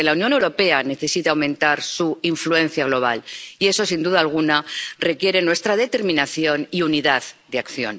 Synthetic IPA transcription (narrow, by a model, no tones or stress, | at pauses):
elaunjone̞wɾo̞pe̞ane̞θe̞sit̪awmẽ̞nt̪aɾsuiɱflue̞nθjaɣ̞lo̞β̞a̰lie̞so̞sind̪uðaːlɣ̞unare̞kje̞ɾe̞nwe̞st̪ɾað̞e̞t̪e̞ɾmĩnaθjo̞niuniðaðd̪eakθjo̞̰n